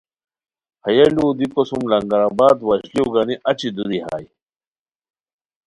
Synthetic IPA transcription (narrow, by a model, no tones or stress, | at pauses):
hɐjɐluːd̪ikosumlɐŋɡɐɾabaːd̪wɐɕlioɡaniʔɐt͡ɕid̪ud̪iɦa̰ːj